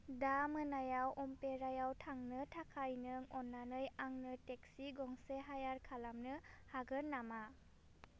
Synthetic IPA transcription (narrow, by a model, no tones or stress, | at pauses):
damɯnajawʔɔmpeɾajawtʰaŋnɯtʰakʰajnɯŋɔnːanɯjaŋnɯteksiɡɔŋseɦajaɾkʰalamnɯhaɡɯɾnːama